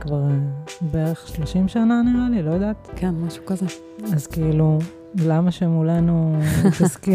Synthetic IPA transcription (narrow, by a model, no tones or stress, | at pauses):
kvaʁebeeʁeχʃloʃimʃananiʁalilojd̪aːtkenmaʃu̥kaze | azkeilu | lamaʃemulanuit̪aski